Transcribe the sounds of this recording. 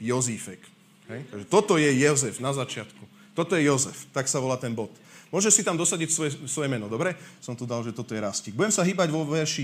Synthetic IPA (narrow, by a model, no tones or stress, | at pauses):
jɔzifɛk | ɦɛjt̪aɡʒɛt̪ɔt̪ɔjɛjɛzɛfnazat͡ʃɪat̪ku | t̪ɔt̪ɔjɛjɔzɛ̰ft̪aksaʋɔlaːt̪ɛnbɔt̪ | mʊɔʒɛʃsit̪amd̪ɔsaɟɛcsʋɔjɛsʋɔjɛmɛnɔd̪ɔbɾɛsɔmt̪ud̪alʒɛt̪ɔt̪ɔjɛɾasciɡbuɟɛmsaɦiːbaɟʋɔʋɛɾʃi